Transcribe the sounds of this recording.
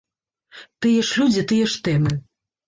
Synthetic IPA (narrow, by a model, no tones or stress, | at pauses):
t̪ɨjɛʂlʲud͡zʲit̪ɨjɛʂt̪ɛmɨ